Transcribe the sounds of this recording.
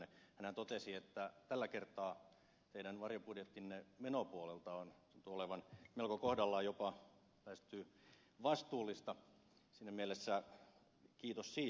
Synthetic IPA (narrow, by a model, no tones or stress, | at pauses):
ehænhænt̪ot̪esiet̪ːæt̪ælːækert̪ˑɑː | t̪eidænʋɑrjopudjet̪ːinːemenopuolelt̪ɑont̪unt̪uoleʋɑnmelkokohdɑlːɑjopɑ | pæist̪yː | ʋɑst̪uːlːist̪ɑ | sinːæmielesːæ | kiːt̪ossiː